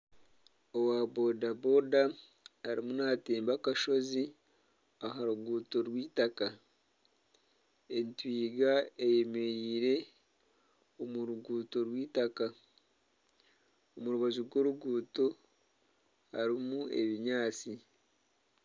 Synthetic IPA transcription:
owabo̞dabo̞daː | ɾḭmunateːmbakaʃo̞zi | aɦaɾuɡuːto̞ɾwiːtaka | e̞ntwiːɡaeje̞me̞ɾiːɾe̞ | omuɾuɡuːto̞ɾwiːtaka | omuɾuβaʒuɡo̞ɾuɡuːto̞ | ha̰ɾimue̞̰βiɲaːt͡si

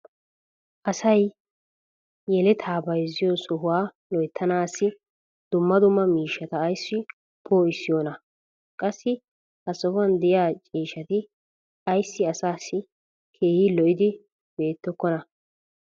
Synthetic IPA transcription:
ʔɐsɐj | jɛlɛt̪ʰaːbɐjzɪjosɔɦʊwaː | lɔjt̪ʰːɐnaːsːɪ | d̪̥ʊmːɐd̪ʊmːɐmiːʃːɐt̪ɐːjsːɪ | pʰoːɪsːɪjoːnɐ | kʼɐsːɪ | hɐsɔfʊɐnd̪ɛjaːt͡ʃʼiːʃɐt̪ɪ | ɐjsːɪɐsaːsːɪ | kʰe̞ːhɪlɔʔɪd̪ɪ | be̞ːt̪ːɔkːɔnɐ

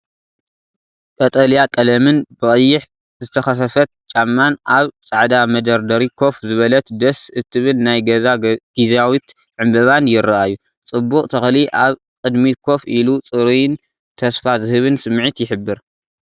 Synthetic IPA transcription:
kʼɐt̪ʼɐljakʼɐlɐmɨnbɨkʼɨjːɪħ | zɨt̪ʰɐxɐfɐfɐt̪̚t͡ʃʼamːanʔaβt͡sʼaʕd̪amɐd̪ɐɾd̪ɐɾikʰo̞fzɨβɐlɐt̪d̪ɐsɨt̪ʰːɨβɨlnajɡɐzaɡ̥izawit̪ | ʕɨmbɐβanjɪɾɐʔajːu | t͡sʼɨbːukʼt̪ʰɐxliʔaβ | kʼɨd̪mikʰo̞fʔilut͡sʼɨɾujn | t̪ʰɐsfazɨhɨβɨnsɨmːʕit̪jɪħɨbːɨɾ

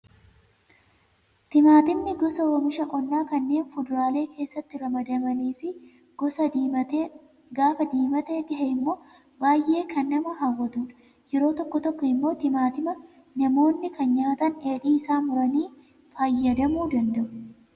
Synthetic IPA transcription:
t̪ɪmaːt̪ɪmnɪɡɔsɐwoːmɪʃɐʔʼɔnːaːkɐnːe̞ːnfʊd̪ʊɾaːle̞ːkʰe̞ːsːɐt̪ːɪɾɐmɐd̪ɐmɐniːfɪ | ɡɔsɐt̪ː | ɡaːfɐd̪iːmɐt̪eːɡɐɦɛɪmːo̞ː | baːjʔe̞ːkʰɐnːɐmɐɦɐwːɐt̪uːᶑɐ̥ | jɛɾo̞ːt̪ɔkːɔt̪ɔkːɔɪmːo̞ːt̪ɪmaːt̪ɪmɐ | nɐmo̞ːnːɪkɐnɲaːt̪ɐne̞ːᶑiːɪsaːmʊɾɐniː | faːjːɐd̪ɐmuːd̪ɐnd̪ɐʔʊ̥

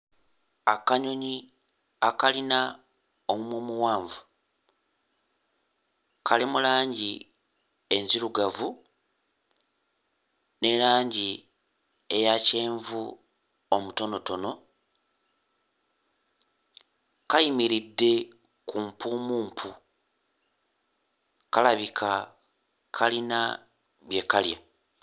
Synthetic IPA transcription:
akaɲo̞ɲi | akalina | omumumuwaːɱvu | kʰalimulaːɲɟi | e̞nziɾuɡavu | ne̞ɾaːɲɟi | ejace̞ːɱvu | o̞muto̞no̞to̞no̞ | kajimiɾidːe̞ | kumpumuːmpʰu | kalaβikʰa | kʰalina̰ | βje̞kalja̰

